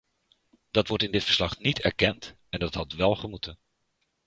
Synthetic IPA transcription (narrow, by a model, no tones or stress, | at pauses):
d̥ɑtʋɔɹtɪndɪtfə̥ɹslɑχnitʰɛɹkɛnt | ɛndɑtɦɑtʋɛlˠχəmutʰən